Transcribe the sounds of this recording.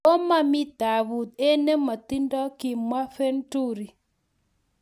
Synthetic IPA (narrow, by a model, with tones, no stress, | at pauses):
o˦ma˨mi˦da˨βu˨t̪̚e˦ne˦ma˨t̪i˦ndɔ˦ki˨mwa˦fe˦ntu˦ɾi˨